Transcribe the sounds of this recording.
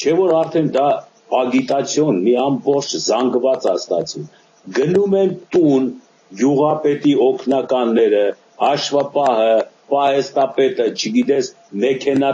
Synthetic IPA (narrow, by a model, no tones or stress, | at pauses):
t͡ʃʰɛvɔɾɑɾt̪ʰɛnd̪ɑ | ɑɡit̪ɑt͡sʰjɔnmiɑmbɔχt͡ʃʰzɑŋɡvɑt͡sɑst̪ɑ̰t͡sum | ɡənumɛnt̪un | ɡjuʁɑpɛt̪iɔkʰnɑkɑnːɛɾə | hɑʃvɑpɑɦəpɑhɛst̪ɑpɛt̪ət͡ʃʰəɡit̪ɛs | mɛkʰɛnɑ